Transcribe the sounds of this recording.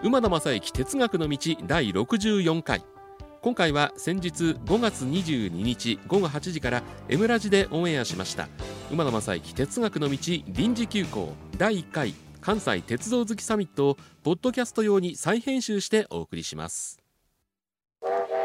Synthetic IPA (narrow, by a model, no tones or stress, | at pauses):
ɯ̟mad̪omasaikʲi̥t̪e̞t͡sɨɡakɯ̟no̞mʲit͡ɕid̪aiɾo̞kɯ̟ʑɨːjõ̞ŋka̰ḭ | kõ̞ŋkaiβasẽ̞ɲ̟d͡ʑit͡sɨɡo̞ɡat͡sɨɲ̟iʑɨːɲ̟iɲ̟it͡ɕiɡo̞ɡo̞ɦat͡ɕiʑikaɾae̞mɯ̟ɾaʑid̪e̞ʔõ̞ːe̞aɕimaɕi̥t̪a̰ɯmad̪omasa̰ḭkʲi̥t̪e̞t͡sɨɡakɯ̟no̞mʲit͡ɕiɾʲĩɲ̟d͡ʑikʲɨːko̞̰ːd̪aiːkːaḭkʰãɰ̃sa̰ḭt̪e̞t͡sɨd̪o̞ːzɨkʲi̥samʲit̪ːo̞ːpo̞d̪ːo̞kʲasɨ̥t̪o̞jo̞ːɲ̟isaihẽ̞ɰ̃ɕɨːɕi̥t̪e̞ʔo̞̰ːkɯ̟ɾʲḭɕimʔa̰sɨ̥